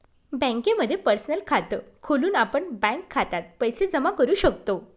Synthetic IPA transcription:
bə̃ŋkeməd̪ʱːjepəɾsnəlkʰat̪əkʰoluːnapəɳbɛ̃kʰːat̪at̪̚pəjsed͡zəmakəɾuːɕəkt̪o

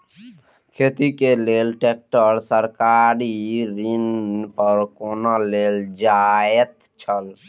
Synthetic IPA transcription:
kʰet̪ikelelʈek̚ʈəɾsəɾkaɾiɾinpəɾkonaleld͡ʒaet̪ | t͡ʃʰəl

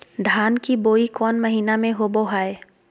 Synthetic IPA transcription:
d̪ʱaːnkiboːikɔːnməɦiːnamẽɦoboɦaːe

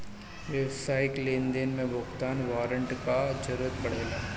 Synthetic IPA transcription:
ʋjəwsaːɪkleːnd̪enmẽbʱʊɡt̪aːnʋaːɾə̃ɳʈkad͡ʒɐɾuːɾət̪̚bɐɽ̤eːlaː

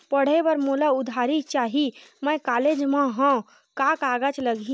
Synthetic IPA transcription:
pəɽ̤ebəɾmulaud̪ʱaɾit͡ʃaɦiməjkaled͡ʒmẽɦə̃ | kakaɡət͡ʃləɡi

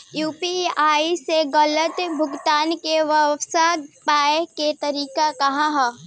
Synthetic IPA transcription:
juːpiaːiseɣələt̪bʱʊɡt̪aːnkeʋɐʋsapaːeket̪ɐɾiːkakɐɦãɦɛ̃ː

